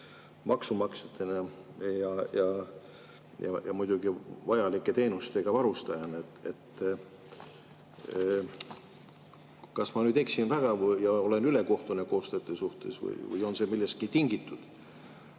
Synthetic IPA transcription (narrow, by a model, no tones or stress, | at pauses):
mɑksumɑkset̪ːˑenejɑjɑ | jɑ̰jɑmujd̪̥ʲuɡ̥ivɑjɑlikːˑet̪e̞ːnust̪e̞ɡ̥ɑvɑɾust̪ɑjɑnet̪et̪ː | kɑsmɑnyːd̪eksinvæɡ̥ɑvɤjjɑo̞le̞nyle̞ko̞ht̪uneko̞ːst̪et̪ːˑesuht̪e̞̰svɯ̰jvɯ̰jo̞nse̞milːest̪̚kit̪iŋɡ̥it̪ːˑud̪̥